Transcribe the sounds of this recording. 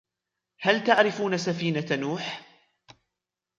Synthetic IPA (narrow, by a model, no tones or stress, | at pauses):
halt̪aʕɾɪfuːnasafiːnanuːħ